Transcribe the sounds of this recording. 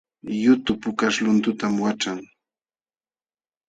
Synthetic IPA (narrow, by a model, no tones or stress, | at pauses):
jʊt̪ʊpʊkaʃlʊnt̪ʊt̪amwaʈ͡ʂaŋ